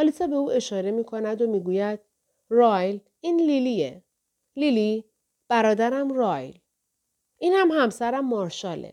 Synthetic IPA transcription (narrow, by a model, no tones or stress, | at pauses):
ɒlisɒbe̞uːe̞ʃɒːɾe̞miːkʰo̞næd̪omiːɡuːjæd̪̥̚ | rɒːjl | inlilie | lili | b̥æɾɒːd̪æɾæmrɒːjl | ʔiːnhæmhæmsæɾæmːɒɾʃɒːlḛ